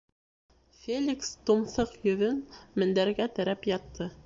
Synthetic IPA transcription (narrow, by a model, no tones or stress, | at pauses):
fʲelʲikst̪ŭmθɤqjɵ̆ðɵnmɘ̆nd̪æɾɡæt̪æ̆ɾæpjɑt̪ʰːɤ